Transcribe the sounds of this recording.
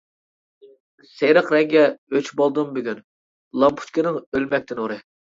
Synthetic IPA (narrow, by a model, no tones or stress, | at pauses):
sejɾəqɾɛɡʲɛøt͡ʃʰbolˠd̪ɨmbyɡʲyn | lˠɑmpʰu̥t͡ʃ̪kʲinɪŋølmɛk̚ʲt̪ʰɪnoɾɨ